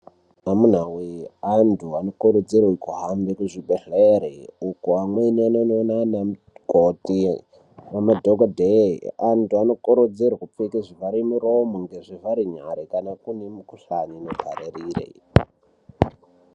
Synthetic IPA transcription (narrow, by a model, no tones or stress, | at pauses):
amun̤aweantʰuanokoɾod͡zerwikuɦambekuʐiɓeɬeɾeukuamwenianononanam | koti | wamadʱoɡadʱḛantʰuanokoɾod͡zerwakup̪fekiʐivaɾimuɾomuŋɡeʐivaɾiɲa̰ɾikanakunemukuɬaɲinoɡʱa̰ɾeɾiːrḛ